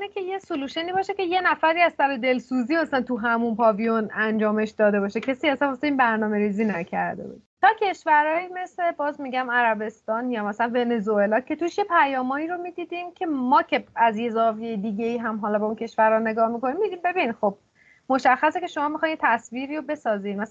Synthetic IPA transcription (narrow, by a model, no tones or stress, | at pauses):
necʰe̞jesuluːʃeniːbɒːʃe̞ce̞je̞næfæɾiːæzt̪æɾed̪e̞lsuːziːmæsælænt̪ʰuɦæmunpɒvijonænd͡ʒɒːme̞ʃd̪ɒːd̪e̞bɒːʃecʰesiæsænoseiːnbæɾnɒːme̞ɾiziːnæcʰæ̰ɾd̪ḛbṵːd̪̥̚t̪ʰɒːcʰe̞ʃvæɾɒːimesle̞bɒːzmiɟæmæɾæbe̞st̪ɒːnjɒmæsæænve̞ne̞zoe̞lɒcʰe̞t̪ʰuʃje̞pʰæjɒːmɒːiɾo̞miːd̪iːd̪imcʰe̞mɒːcʰeæzje̞zɒːvijejed̪iɟeiːɦæmɦɒːlɒːbɛuncʰe̞ʃvæɾhɒne̞ɡɒːhmiko̞nimːid̪imbebinxo̞b̥̚ | mo̞ʃæxːæse̞cʰe̞ʃo̞mɒːmixɒjnjet̪ʰæsviːɾiːɾobe̞sɒːziːnmæs